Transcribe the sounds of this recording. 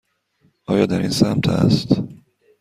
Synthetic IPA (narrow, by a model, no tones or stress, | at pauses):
ʔɒːjɒːd̪æɾiːnsæmt̪ʰæ̰st̪